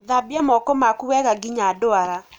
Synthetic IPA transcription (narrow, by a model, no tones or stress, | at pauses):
ðabiamɔkɔmakuwɛɣaɡiɲadoaɾa